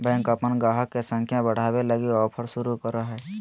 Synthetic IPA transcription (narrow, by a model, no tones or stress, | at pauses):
bɛ̃ːŋkəpənɡaːɦəkːesə̃ŋkʰjãbəɽ̤aːweləɡiɔːpʰəɾsʊɾukəɾəɦɛː